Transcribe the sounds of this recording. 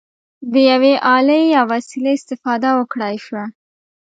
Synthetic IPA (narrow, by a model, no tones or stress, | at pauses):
d̪əjaweʔɑləjɑwasileɪst̪ɪfɑd̪awəkɽɑjʃwa